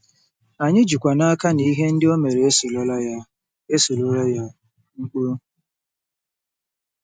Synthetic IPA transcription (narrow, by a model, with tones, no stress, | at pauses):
a˨ɲɪ˦d͡ʒu˨kʷa˨na˦ka˦ni˦ɦe˦n̩˦dɪ˦o˦me˨ɾe˨e˦so˨lɔ˦la˦ja˦ | e˦so˨lo˦la˦ja˦ | ŋ͡m̩˦k͡po˦